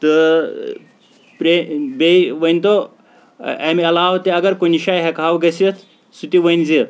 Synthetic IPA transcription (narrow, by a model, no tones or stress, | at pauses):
t̪ɨ | pɾebeʋɐnt̪o | emiɐlaːwt̪eɐɡɐɾkoniʃaːjɦɛkaːwɡɐsit̪ʰ | sut̪iʋɐjnzit̪